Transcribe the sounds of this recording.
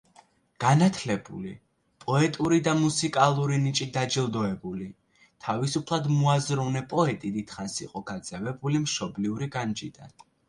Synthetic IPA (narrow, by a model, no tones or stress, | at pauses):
ɡ̥anat̪ʰlɛbṵlḭ | pʼɔɛt̪ʼuɾid̪amusikʼalˠuɾinit͡ʃʼid̪ad͡ʒilˠd̪ɔɛbuli | t̪ʰavisupʰlˠad̪muazɾɔvnɛpʼɔɛt̪ʼid̪it̪χansḭqʼɔɡ̥ad̪zɛvɛbulimʃɔbliuɾiɡand͡ʒid̪a̰n